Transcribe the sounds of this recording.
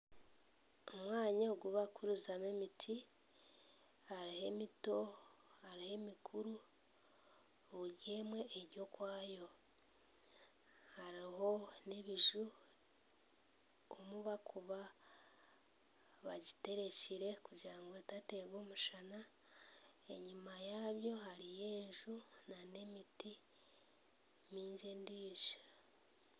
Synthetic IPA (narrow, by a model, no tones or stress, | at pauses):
omwaːɲaoɡuβakuɾuzamemitʰi | aɾihe̞mito̞aɾihe̞mikʰuɾu | jeːmwe̞ʔːɾjo̞kwaːjo̞ | haɾiho̞neβiʒu | omuβakʰuβa | βaɟite̞ɾe̞ciɾe̞kuɟaːŋɡotate̞βoːmuʃana | ḛɲimajaːβjo̞haɾije̞ːɲʒunane̞miti | miːɲɟe̞ndiːʃḁ